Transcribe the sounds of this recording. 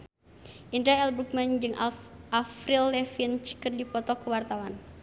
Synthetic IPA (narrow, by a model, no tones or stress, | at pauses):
ʔindɾaɛlbuk̚mɛnd͡ʒɨŋʔaʔafɾilːɛfint͡ʃkɨrdipɔt̪ɔkuwart̪awan